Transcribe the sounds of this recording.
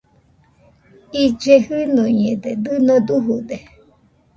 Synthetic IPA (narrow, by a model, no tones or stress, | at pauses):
id͡ʒehɨnoɲẽd̪ed̪ɨnõd̪uɦud̪e